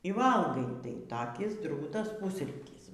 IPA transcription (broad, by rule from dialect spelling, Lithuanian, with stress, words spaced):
iː ˈʋɐlˠɡɐɪ tɐɪ tɐˈkʲɪs ˈdruːtɐs ˈpʊsʲrʲiːtʲiːs